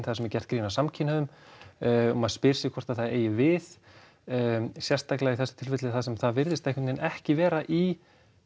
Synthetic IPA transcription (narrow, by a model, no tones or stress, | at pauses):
nθasɛmɛɾcɛ̥t̪kɾiːnasamcʰɪnhaðʏm | ɔmaðspɪɾ̥sɪkʰvɔr̥t̪aðθaðeːjɪvɪð | sjɛr̥st̪aklaɣiθɛsɪ̥t̪ʰɪlfɛt̪lɪθaðsɛmθaðvɪɾðɪst̪ɛhkʰɪnt̪ɪnɛhcɪvɛːɾaʔi